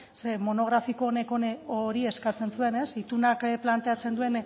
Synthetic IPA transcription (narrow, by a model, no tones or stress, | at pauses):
semo̞no̞ɣɾafikoːne̞kooɾie̞skat͡se̞nsue̞ne̞sit̪unakplant̪e̞at͡se̞nd̪ue̞n